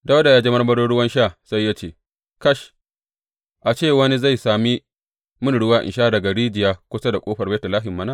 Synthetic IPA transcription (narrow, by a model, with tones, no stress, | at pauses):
da˦wda˨ja˦d͡ʒe˦mɐ˦rmɐ˦ɽoː˦ɽʊ˦wɐ˦nʃaː˦˨sa˦jːaː˦t͡ʃeː˦˨ | kɐ˦ʃ | ʔa˨t͡ʃeː˦˨wɐ˦ni˦za˦˨jsaː˨mi˦ | mʊ˦nɽʊ˦waː˦ʔɪ̰˨nʃaː˦dɐ˨ɡa˨ɽiː˦d͡ʒɪ˨jaː˦kʷʊ˦sa˦da˨kʷʼoː˦ɸɐ˨beː˦tɐ˨laː˦ɦɪ˨mːɐ˦na˦˨